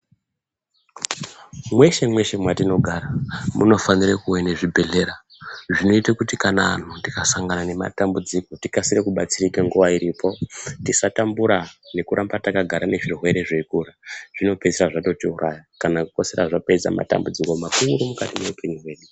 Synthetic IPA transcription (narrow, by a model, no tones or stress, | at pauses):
mwe̞ʃe̞mwe̞ʃe̞mwatino̞ɡʱaɾamuno̞fanirekuweneʐibʱe̞ɮe̞ɾa | ʐino̞itakutikanaːn̤undikasaŋɡanane̞ma̰tambud͡zikotikasiɾekuɓat͡sirikeŋɡuʋaiɾipʰo̞tisatambuɾane̞kuɾambatakaɡʱaɾane̞ʐirwe̞ɾe̞ʐekuɾaʐ̥ino̞peiraʐato̞tiurʔa̰jakanakuko̞seɾaʐapeza̰ma̰ta̰mbud͡ziko̞makumuɾomukatineupe̞ɲuɦwe̞ːɗu